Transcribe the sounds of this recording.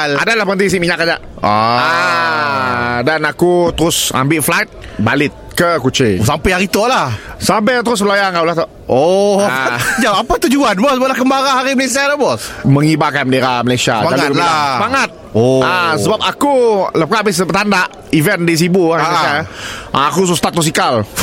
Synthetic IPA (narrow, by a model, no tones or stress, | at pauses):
ladalahpəənt̪is̬iʔmiɲakad͡ʒa̰ʔ | aa | danakut̪əɾʊsa̰mbɪʔflajt̪̚ | balɪt̪̚kəkut͡ʃisampɛhaɾit̪oʔlahsamp̬at̪̬əɾʊs̬bəlajaŋaulaht̪ɔʔ | o | d͡ʒaapat̪ud͡ʒuanbɔsəbaplakəmbaɾaɦaɾiməlesialabɔsmə̃ŋibakanməndeɾahməlajsia̰badalikəabaŋat̪̚oasəbap̚akuləp̚kaʔbɪs̬əbət̪andaʔ | ivɛndis̬ibuaʔaakus̬ust̪at̪ːus̬ikal